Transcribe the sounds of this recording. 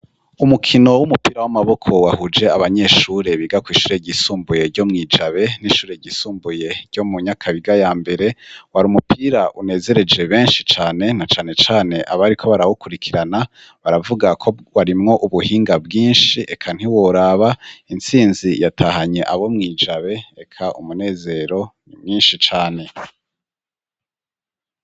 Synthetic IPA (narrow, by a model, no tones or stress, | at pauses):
umukʰino̞wumupiːɾawamaβo̞kʰo̞wahud͡ʒe̞aβaɲe̞ʃuɾe̞βiɡakwiːʃuːɾe̞ɟisuːmbuje̞ɾɟo̞mŋiːd͡ʒaβe̞niʃuːɾe̞ɟisuːmbuje̞ɾɟo̞muɲakʰaβiɡajaːmbe̞ɾe̞waɾuːmupʰiɾaʔune̞ːze̞ɾe̞d͡ʒe̞βe̞ːnʃit͡ʃaːne̞nat͡ʃaːne̞t͡ʃaːne̞ʔaβaɾikʰo̞βaɾawukuɾikʰiɾana | βaɾavuɡakʰoβaɾimŋo̞ʔuβuhiːŋɡabɡiːnʃiʔe̞kʰan̥iwoɾaβaint͡siːnzijatʰahaɲe̞ʔaβo̞mŋiːd͡ʒaβe̞ekʰaʔumune̞ːze̞ɾo̞nimŋiːnʃit͡ʃaːne̞